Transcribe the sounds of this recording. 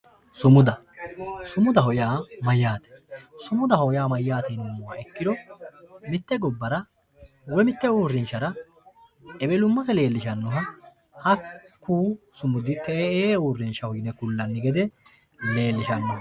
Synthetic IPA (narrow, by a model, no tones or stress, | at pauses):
sʊmʊd̪ɐ | sʊmʊd̪ɐɦɔjaːmɐjːaːt̪ɛ̥sʊmʊd̪ɐhɔjaːmɐjːaːt̪ɛnʊmːʊwa̰ːɛkːɪd̪ɔ | mɪt̪ːɛɡɔbːɐɾɐ | wɔmɪt̪ːɛuːrːɛnʃɐɾɐ | ɛbɛlʊmːɐsɛle̞ːlːɪʃɐnːɔɦɐ | hɐkːuː | sʊmʊd̪ɪt̪ːɛeːuːrːɛnʃɐhɔjnɛkʊlːɐnːɪɡɛd̪ɛ | le̞ːlːɪʃɐnːɔhɐ